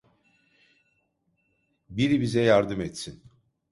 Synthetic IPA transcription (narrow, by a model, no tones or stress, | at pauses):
biɾibizɛjaɾd̪ɯmɛt̪sin